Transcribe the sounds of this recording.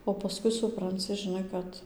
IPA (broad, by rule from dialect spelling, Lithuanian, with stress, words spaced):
oː pɐˈskʊɪ sʊprɐnʲˈt͡sʲɪ ʒʲɪˈnɐɪ ˈkɐt